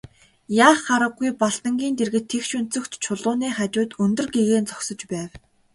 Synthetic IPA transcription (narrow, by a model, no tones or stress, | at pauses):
jaːχːaɾə̆ɡːujpaɬt̪ə̆ŋɡʲiːnt̪erɣɘ̆t̪ʰːekʃɵn̥t͡sɵ̆kt̪t͡ɕʰʊɮʊːniːχat͡ɕʊːt̪ɵnt̪ɵ̆rɡeɣeːnt͡sɔksɞ̆t͡ɕpæːw